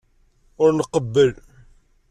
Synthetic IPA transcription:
ʊɾnəqəbːəl

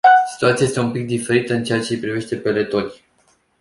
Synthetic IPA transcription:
si̥t̪uat̪siajest̪e̞umpik̚d̪ife̞ɾit̪əɨnt͡ʃe̞at͡ʃe̞pɾive̞ʃt̪e̞pe̞le̞t̪o̞lʲ

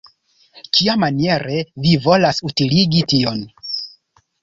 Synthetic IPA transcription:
kʰiamanie̞ɾʔe̞vivo̞lasutiliɡitio̞n

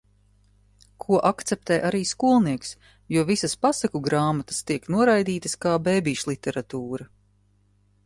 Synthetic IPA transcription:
kʰuɔʔakt̪sɛp̚t̪ɛjʔaɾiːskuɔlˠniɛks | juɔvisɐspasakuɡɾaːmat̪ɐ̥st̪iɛknuɔɾajd̪iːt̪ɐskaːbeːbiːʃlˠit̪ɛɾat̪uːɾɐ

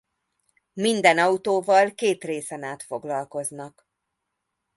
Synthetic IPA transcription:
mind̪ɛnɒut̪oːvɒlkeːt̪reːsɛnaːt̪fo̞ɡlɒlko̞znɒk

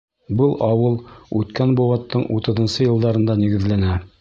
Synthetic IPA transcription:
bɤlˠɑwɤlˠʉt̪kænbowɑt̪ːɤɴut̪ɤ̆ðɤ̆nsɤjɤ̆lˠd̪ɑɾɤ̆nd̪ɑniɡɘ̆ðlænæ

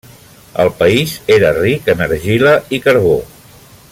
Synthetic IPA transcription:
ə̰lˠpəizeɾərikənəɾʒiləikəɾβo

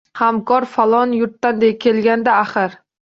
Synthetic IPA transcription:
hamkʰɒɾfalˠɒnjʊɾt̪ːand̪ekʲʰe̞lɡʲand̪aːχɪɾ

